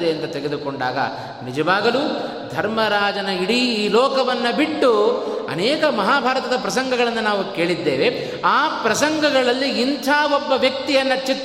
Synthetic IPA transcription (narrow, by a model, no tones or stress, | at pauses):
eɐnt̪ɐt̪eɡed̪ukoɳɖa̰ːɡɐ̰ | nid͡ʒɐʋaːɡɐluː | d̪ʱɐɾmɐɾaːd͡ʒɐnɐiɽiiːlɔːkɐʋɐnːɐbiʈːuɐ̰nɛːkɐmɐɦaːbʱaːɾɐt̪ɐd̪ɐpɾɐsɐŋɡʱɐɣɐɭɐnːɐnaːʋuke̞ːɭid̪ːeːʋe | aːpɾɐsɐŋɡɐɡɐɭɐlːiːnt̪ʰaːʋɔbːɐʋjɐk̚t̪ijɐnːɐt͡ʃit̪ː